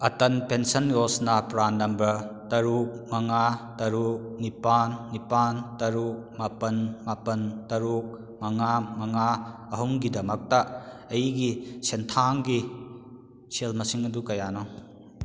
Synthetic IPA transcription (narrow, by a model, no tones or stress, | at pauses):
ɐtɐnpensɐnjosnɐpɾanːɐmbɾɐtɐɾuk̚mɐŋatɐɾuk̚nipanːipantɐɾuk̚mapɐnmapɐntɐɾuk̚ | mɐŋamɐŋaɐɦuŋɡidɐmɐk̚tɐɐjiɡisentʰaŋɡi | sʰelmɐsiŋɐdukɐjanɔ